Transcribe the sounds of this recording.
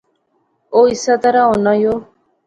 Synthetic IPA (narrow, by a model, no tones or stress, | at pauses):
oisat̪aɾaonajo